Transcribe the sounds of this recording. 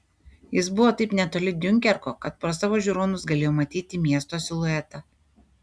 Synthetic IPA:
jɪsbʊʋoːt̪ɐɪpnʲɛt̪oːlʲɪd̪ʲʊŋʲkʲɛɾkoːkɐt̪̚pɾoːsɑʋoːʒʲuːɾoːnʊsɡɐlʲeːjoːmɐt̪ʲiːt̪ʲɪmʲiɛst̪oːsʲɪlˠʊɛt̪ɐ

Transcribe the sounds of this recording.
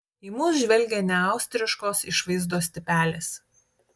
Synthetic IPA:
iːmuːsʒʲʋʲɛlʲɡʲeːnʲɛɑˑʊsʲt̪ʲɾʲɪʃkoːsɪʃʋɐɪzd̪oːsʲt̪ʲɪpʲæːlʲeːs

